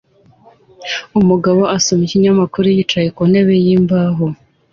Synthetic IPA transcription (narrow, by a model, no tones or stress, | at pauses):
umuɡaβo̞ʔasomiciɲamakuɾujit͡ʃaje̞kone̞βe̞jiːmbaɦo